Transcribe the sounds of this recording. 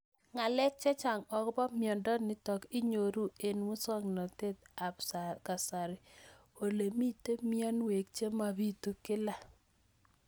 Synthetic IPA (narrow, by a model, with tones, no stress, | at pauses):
ŋa˨lɛ˦k̚t͡ʃɛ˦t͡ʃa˨ŋɔ˨kbɔ˦mjɔ˨ndɔ˦nɪ˨tɔ˨kɪ˦ɲo˨ɾu˦e˨nwʊ˦sɔ˦ŋnɔ˨te˦t̚a˨psa˨ka˨sa˨ɾɪ˨ | o˨le˨mi˦te˦mi˦a˦nwe˨k̚t͡ʃe˦ma˨bi˦tu˨kɪ˦la˦˨